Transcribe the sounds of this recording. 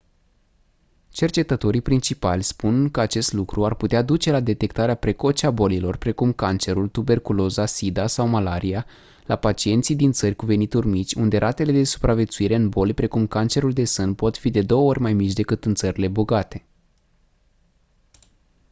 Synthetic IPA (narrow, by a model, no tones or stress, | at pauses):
t͡ʃe̞rt͡ʃe̞t̪ət̪o̞ɾipɾint͡ʃipalʲspunkəat͡ʃe̞st̪lukɾuarput̪ead̪ut͡ʃe̞lad̪e̞t̪e̞kt̪aɾeapɾe̞ko̞t͡ʃeabo̞lilo̞rpɾe̞kumkant͡ʃe̞ɾult̪ube̞rkulo̞zasid̪asawmalaɾia | lapat͡ʃie̞nt̪sijd̪int̪sərʲkuve̞nit̪urʲmit͡ʃʲund̪e̞ɾʔat̪e̞le̞d̪e̞su̥pɾavje̞t̪suiɾe̞ɨnbo̞lʲpɾe̞kumkant͡ʃe̞ɾuld̪e̞sɨnpo̞t̪fid̪e̞d̪o̞wəo̞rʲmajmit͡ʃʲd̪e̞kɨt̪ɨnt̪səɾile̞boɡat̪e̞